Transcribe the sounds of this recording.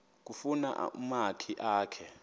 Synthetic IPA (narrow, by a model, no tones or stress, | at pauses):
k̬ʼufuna̰ʔṵmakʰiʔaːkʰɛ